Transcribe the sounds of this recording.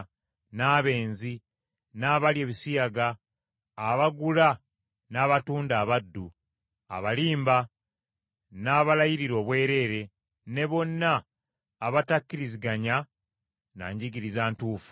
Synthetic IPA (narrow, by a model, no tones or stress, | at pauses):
naːβe̞ːnzi | naːβalje̞ːβisijaɡaː | βaɡula | naːβatuːndaːβadːu | a̰βaliːmba | naːβalajiɾiɾo̞ːβwe̞ːɾe̞ɾe̞ | ne̞βo̞nːaː | βatakːiɾiziɡaɲa | na̰ːɲɟiɡiɾizaːntuːfu̥